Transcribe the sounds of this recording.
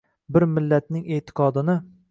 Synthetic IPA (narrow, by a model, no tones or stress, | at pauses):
bɪɾmɪlːat̪̚nɪŋet̪ʰɪ̥qʰɒd̪ɪnɪ